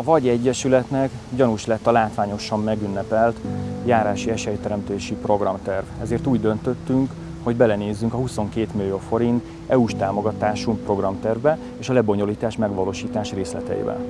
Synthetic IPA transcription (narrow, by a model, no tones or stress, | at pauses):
ɒvɒɟɛɟːɛʃylɛt̪nɛkɟɒnuʃlɛt̪ːɒlaːt̪ʋaːɲo̞ʃɒmːɛɡynːɛpɛlt̪jaːɾaːʃiɛʃɛjt̪ɛɾɛmt̪eːʃipro̞ɡrɒmt̪ɛrvɛzeːrt̪uːɟd̪ø̞nt̪øt̪ːyŋk | ho̞ɟbɛlɛneːzːyŋkɒɦuso̞ŋkeːt̪milijoːfo̞ɾint̪ | ɛuʃt̪aːmo̞ɡɒt̪aːʃuŋkpro̞ɡrɒmt̪ɛrvbɛ | eːʃɒlɛbo̞ɲo̞liːt̪aːʃmɛɡʋɒloːʃiːt̪aːʃreːslɛ̰t̪ɛ̰ḭːbɛ̰n